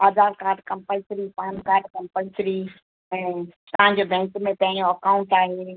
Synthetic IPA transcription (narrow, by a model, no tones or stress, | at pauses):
ad̪aːɾkaːɾɖkɐ̃mpəsɾipãːnkaːɾɖkɐ̃mpəlsɾi | ɛ̃ː | t̪ɐɦãɲ̆d͡ʑobʱɛ̃ːŋkmẽt̪ɐ̃ɦd͡ʑoɐkaːũɳʈaːɦe